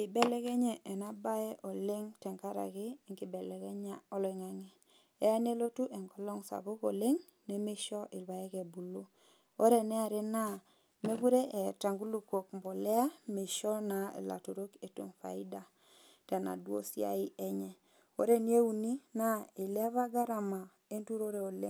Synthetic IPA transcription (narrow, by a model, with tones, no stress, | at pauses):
ɪ˨bɛ˦lɛ˦kɛ˦ɲɛ˨ʔɛ˨na˦ba˦ɛ˦ʔɔ˨le˦ŋtɛ˨ŋka˦ɾa̰˨ɣɪ˦˨ŋɡɪ˨bɛ˨lɛ˨kɛ˦ɲa˦ɔ˦lɛ˨ŋa˦ŋɪ˦ | ɛ˦a˦ne˦lo˦tu˦ʔɛ˨ŋɡɔ˨lɔ˦ŋsa̰˨bʊ˦ko˨le˦ŋ | nɛ˨me˦ʃɔ˦ʔɪ˨lwa˨ɛ˦kɛ˨bu˨lu˦ | o˦ɾɛ˨nɛ˦a˨ɾe˦na˦˨ | me˦ɡu˦ɾe˦ʔe˨ta˨ŋɡu˦lu˦˨ko˨kmbo˨lɛ˦a˦me˨ʃɔ˦na˨ḛ˨la̰˨to˨ɾo˦ke˨to̰˨mfa̰˨ɪ˦da˨ | ta˨na̰˨dwo̰˦sja̰˦ɪ˦ʔɛ˦ɲɛ˨ | o̰˦ɾe˦ni˦e˦u˨ni˦na˦ɪ˨lβa˦ɡa˦ɾa˨ma˨ | e˦ntu˦ɾo˦ɾe˨o˨lḛ˦ŋ